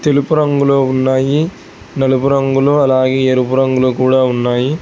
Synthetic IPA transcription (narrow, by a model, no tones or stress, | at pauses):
t̪ɛlɪpːɯɾɐŋɡuloːʊnːaːji | nɐlɯpʊɾɐŋɡuloːɐlaːɣeːɛɾɯpʊɾɐŋɡɐloːkuːɽaːʊnːaːji